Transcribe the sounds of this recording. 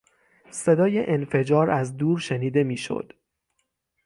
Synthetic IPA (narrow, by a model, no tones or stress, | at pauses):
se̞d̪ɒːje̞ʔenfe̞d͡ʒɒːɾæzd̪uːɾʃe̞niːd̪e̞miːʃo̰d̪̥